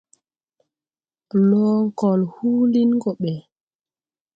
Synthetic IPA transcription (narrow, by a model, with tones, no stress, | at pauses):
lɔ˦ŋ˦kɔ˨lhuː˦li˦nɡɔ˨ɓɛ˨